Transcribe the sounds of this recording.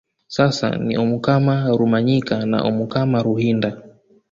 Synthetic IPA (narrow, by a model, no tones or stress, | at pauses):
sasa̰nḭʔɔmukamaɾumaɲikana̰ʔɔmukamaɾuhinda